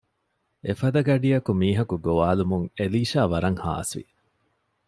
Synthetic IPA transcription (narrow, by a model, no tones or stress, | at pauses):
efɐd̪ɐɡɐɖijɐkumiːɦɐkuɡoʋaːlumuŋeliːʃaːʋɐɾɐŋha̰ːsʋḭ